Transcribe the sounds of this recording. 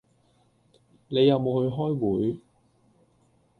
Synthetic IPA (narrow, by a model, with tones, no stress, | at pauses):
ne˨˧jɐ˨˧wmo˨˧whɵ˧ɥɦɔː˥jwuː˨˥j